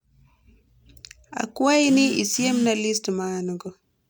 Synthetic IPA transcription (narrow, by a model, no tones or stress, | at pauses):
a̰kuajniḭsiemnalistmanuɡɔ